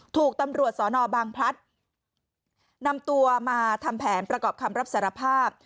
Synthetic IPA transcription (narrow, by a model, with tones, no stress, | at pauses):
t̪ʰuː˨˩k̚t̪a˧mɾu˨˩ət̪̚sɔː˩˦nɔː˧baː˧ŋpʰɾa˦˥t̪̚ | na˧mt̪u˧ɐmaː˧t̪ʰa˧mpʰɛː˩˦npɾa˧kɔː˨˩p̚kʰa˧mɾa˦˥p̚saː˩˦ɾa˧pʰaː˥˩p̚